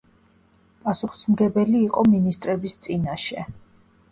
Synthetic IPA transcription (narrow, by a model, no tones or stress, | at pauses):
pʼasuχi̥smɡɛbɛliːqʼɔminist̪ʼɾɛbist̪sʼinaʃɛ